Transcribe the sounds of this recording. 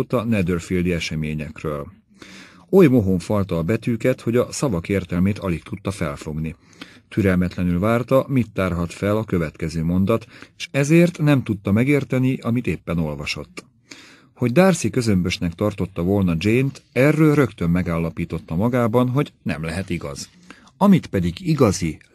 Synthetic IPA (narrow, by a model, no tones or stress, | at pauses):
ot̪ɒnɛd̪ørfild̪iɛʃɛmeːɲɛkrøːl | ojmo̞ɦoɱfɒlt̪ɒːbɛt̪yːkɛt̪ho̞ɟɒsɒvɒkeːrt̪ɛlmeːt̪ɒlik̚t̪ut̪ːɒfɛ̰lfo̞ɡni | t̪yɾɛlmɛt̪lɛnylvaːrt̪ɒmit̪ːaːrɦɒt̪fɛlɒkø̞vɛt̪kɛzøːmo̞nd̪ɒt̪eʃɛzeːrt̪nɛmt̪ut̪ːɒmɛɡeːrt̪ɛniʔɒmit̪eːpːɛno̞lvɒʃo̞̰t̪ː | ho̞ɟ̚d̪aːrsikø̞zø̞mbøʃnɛkt̪ɒrt̪o̞t̪ːɒvo̞lnɒd͡ʒejnt̪ɛrːøːlrø̞kt̪ø̞mːɛɡaːlːɒpiːt̪o̞t̪ːɒmɒɡaːbɒnɦo̞ɟnɛ̰mlɛɦɛt̪iɡɒ̰z̥ | ɒmit̪pɛd̪iɡiɡɒzi